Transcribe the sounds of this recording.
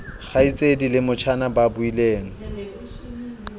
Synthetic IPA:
χait͡sʼedilɪmʊt͡ʃʰanababʊileːŋ̩

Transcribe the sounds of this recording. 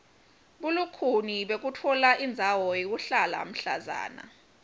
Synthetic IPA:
ɓulukʰuniɓek̬utʰɔlaʔind͡zʱawɔjik̬uɬala̰m̩ɬa̰za̰ːna̰

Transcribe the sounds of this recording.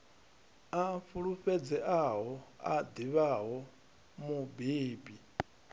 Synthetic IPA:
afuɺuɸɛd͡zɛʔaɦɔa̰d̪iβaɦɔ | mubeːbi

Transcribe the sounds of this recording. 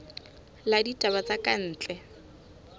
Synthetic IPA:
laditʼabat͡sakʼan̩ːt͡ɬʼɛ

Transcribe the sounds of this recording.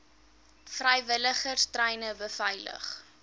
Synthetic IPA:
frɛjvələχərstrɛjnəbəfɐjlə̰χ

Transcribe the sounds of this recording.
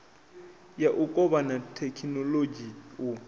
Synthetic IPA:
jaʔʊkʼɔbanatʰɛkʰinɔloɡiʊ

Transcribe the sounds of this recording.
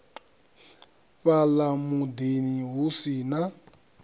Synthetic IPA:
βalamudeniɦusina

